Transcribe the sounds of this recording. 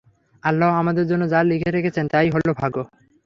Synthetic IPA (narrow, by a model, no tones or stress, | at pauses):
alːaɦamad̪eɾd͡ʑonːod͡ʑalːikʰeɾekʰet͡ɕʰent̪ajɦolobʱaɡo